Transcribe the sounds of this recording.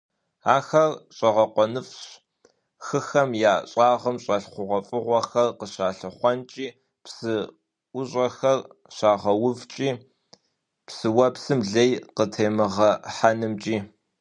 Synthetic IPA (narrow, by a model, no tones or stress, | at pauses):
aːxɐrɕʼɐʁɐqʷɔnɨfɕ | xɨxɐmjaːɕʼaːʁɐmɕʼɐɬχʷʊʁʷɐfʼɨʁʷɔxɐrqəɕaːɬɨχʷɔnt͡ʃʼiː | psɨ | ʊɕʼɐxɐrɕaːʁɐwʊvt͡ʃʼiː | psɨwɐpsɨmɮejqətʰeːmɨʁɐħanɨmt͡ʃʼiː